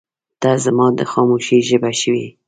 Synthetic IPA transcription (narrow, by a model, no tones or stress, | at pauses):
d̪̥ɑzamɑd̪əxɑmuʃiʒəbaʃəwi